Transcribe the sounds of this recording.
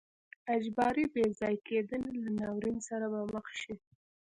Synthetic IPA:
ad͡ʒbɑɾibezɑjked̪ənelanɑwɾinsaɾabaməxʃi

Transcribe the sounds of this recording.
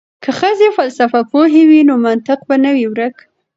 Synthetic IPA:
kʰaxəzefalsafapoɦewinomant̪ɪq̚banəwiwɾək

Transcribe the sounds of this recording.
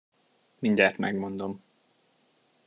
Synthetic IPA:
miɲɟaːrt̪mɛ̰ɡmo̞nd̪o̞m

